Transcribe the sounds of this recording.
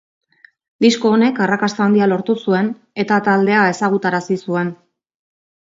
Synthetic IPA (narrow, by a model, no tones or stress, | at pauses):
d̪isko̞ːne̞karakast̪aand̪ialo̞ɾt̪usue̞n | e̞t̪at̪ald̪e̞ae̞saɣ̞ut̪aɾasisue̞n